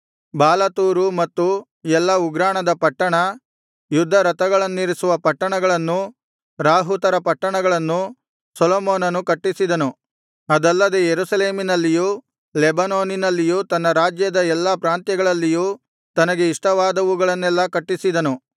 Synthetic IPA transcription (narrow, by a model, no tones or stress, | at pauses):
baːlɐt̪uːɾumɐt̪ːu | ɛlːɐuɡɾaːɳɐd̪ɐpɐʈːɐɳɐ | jud̪ʱːɐɾɐt̪ɐɡɐɭɐnːiɾisuʋɐpɐʈːɐɳɐɡɐɭɐnːu | ɾaːɦut̪ɐɾɐpɐʈːɐɳɐɡɐɭɐnːu | sɔloːmoːnɐnukɐʈːisid̪ɐnu | ɐd̪ɐlːɐd̪ejeɾusɐle̞ːminɐlːijuː | lɛbɐnoːninɐlːijuːt̪ɐnːɐɾaːd͡ʒjɐd̪ɐɛlːɐpɾaːnt̪jɐɡɐɭɐlːijuː | t̪ɐnɐɡe̞iʂʈɐʋaːd̪ɐʋuɡɐɭɐnːɛlːɐkɐʈːisid̪ɐnu